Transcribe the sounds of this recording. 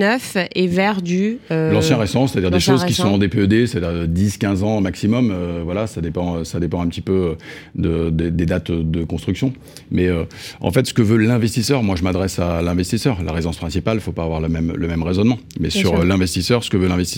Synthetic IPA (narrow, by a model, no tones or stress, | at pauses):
œfevɛʁd̪yølɑ̃sjɛ̃ʁɛst̪ɑ̃se̥t̪ad̪iʁd̪eʃozki̥sɔ̃ɑ̃d̪epeød̪ese̥t̪ad̪iʁəd̪iskʲɛ̃zɑ̃maksimɔmøvwalasad̪epɑ̃øsad̪epɑ̃ɛ̃pət̪ipøød̪əd̪ed̪ed̪at̪d̪əkɔ̃st̪χyksjɔ̃ | mɛøɑ̰̃fɛt̪sə̥kəvølɛ̃vɛst̪isœʁmwaʒəmad̪ʁɛsalɛ̃vɛst̪isœʁla̰ʁezɑ̃spχɛ̃sipalfopaːvwaʁləmɛmləmɛmʁezɔnmɑ̃mɛsyʁølɛ̃vɛst̪isœʁsə̥kəvølɛ̃vɛst̪is